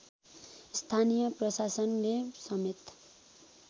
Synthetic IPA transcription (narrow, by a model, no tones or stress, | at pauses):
st̪ʰanijʌprʌsasʌnlesʌmet̪